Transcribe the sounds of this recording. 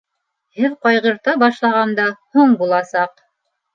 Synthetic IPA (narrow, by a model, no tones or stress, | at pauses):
hɘðqɑjʁɤ̆ɾt̪ɑbɑʃlˠɑʁɑnd̪ɑhuɴbulˠɑsɑq